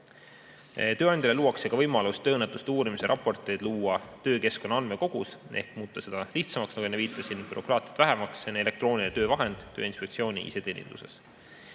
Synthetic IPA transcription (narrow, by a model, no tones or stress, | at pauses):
t̪øːɑnd̪̥ʲɑleluːɑksekɑvɤjmɑlust̪ːøːnːet̪ːˑust̪uːɾimise̞ɾʔɑpːˑo̞rt̪ˑed̪̥luːɑt̪ø̞ːke̞skonːɑɑnme̞ko̞ɡ̥use̞̰hkmuːt̪ːˑɑse̞d̪̥ɑliht̪sɑmɑksnɑkuenːeviːt̪ːˑɑsinpyɾo̞krɑːt̪iɑt̪væɦɛmɑksene̞le̞k̚t̪ro̞ːnʲinet̪øːvɑɦe̞nd̪̥t̪ːøːinspek̚t̪sio̞ːnʲḭʔḭse̞t̪e̞ːnʲḭnd̪̥ṵse̞̰s